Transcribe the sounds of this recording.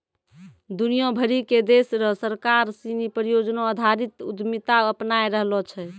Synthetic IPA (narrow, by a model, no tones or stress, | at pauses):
d̪unijõbʱəɾiked̪esɾɔsəɾkaɾsinipəɾijod͡ʒnõəd̪ʱaɾit̪ud̪mit̪aəpnajɾəɦlɔt͡ʃʰɛ